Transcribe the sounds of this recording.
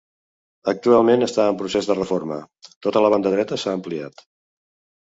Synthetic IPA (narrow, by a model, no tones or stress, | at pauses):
ək̚t̪ualˠmenəst̪aəmpɾusezðərəformə̰ | t̪ot̪ələβ̞and̪əð̞ɾɛt̪əsaəmplia̰t̪